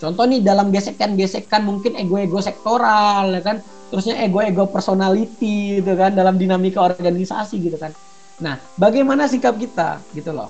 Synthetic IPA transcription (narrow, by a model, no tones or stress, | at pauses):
t͡ʃɔnt̪ɔhnɪdalamɡesɛk̚janɡesɛkːanmuŋkɪneɡoeɡosɛk̚t̪oɾaljakan | t̪əɾusɲaʔeɡoeɡopɛrsonalit̪it̪̬ukandalamdinamikaɔrɡanisa̰siɡit̪ukan | nah | baɡajmanasikap̚kit̪a̰ɡit̪ulɔ̰